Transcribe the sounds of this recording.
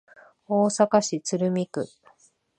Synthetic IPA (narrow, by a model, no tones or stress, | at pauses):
oːsakaɕit͡sɨɾɯ̟mʲikɯ̟